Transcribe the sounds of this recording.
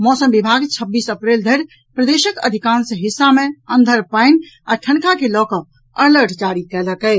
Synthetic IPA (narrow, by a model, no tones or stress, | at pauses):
mɔsəmbibʱaɡt͡ʃʰəbːisəpɾeld̪ʱeɾ | pɾəd̪eʃəkə̰d̪ʱikansə̃ɦisːameənd̪ʱəɾpaɪn | a̰ʈʰəɳkakelɔkəp̚ | ələɾʈʰd͡ʒaɾikɛləkɛ